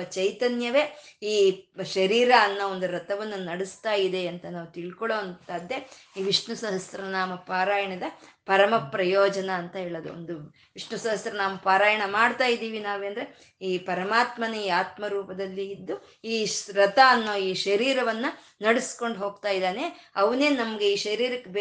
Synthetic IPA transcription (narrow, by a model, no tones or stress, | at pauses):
t͡ʃɐjt̪ɐnjɐʋe̞ːiːʃɐɾiːɾaːnːɐond̪uɾɐt̪ɐʋɐnːɐnɐɽist̪aːjid̪e̞ɐnt̪ɐnaːʋut̪iɭkɔɭoːnt̪aːd̪ːe̞ | iːʋiʂɳusɐɦɐsɾɐnaːmɐpaːɾaːjɐɳɐd̪ɐpɐɾɐmɐpɾɐjɔːd͡ʒɐnɐːnt̪ɐɦeːɭod̪ṵo̰nd̪u | ʋiʂɳusɐɦɐsɾɐnaːʋupaːɾaːjɐɳɐmaːɖt̪aːjid̪iːʋinaːʋeɐnd̪ɐɾe | iːpɐɾɐmaːt̪mɐnɐiːaːt̪mɐɾuːpɐd̪ɐlːiːd̪ːu | iːɾɐt̪aːnːoːiːʃɐɾiːɾɐʋɐnːu | nɐɽisko̞ɳɖɦoːɡt̪aːjid̪aːneɐʋɐneːnɐmɐɡe̞iːʃɐɾiːɾɐkːeb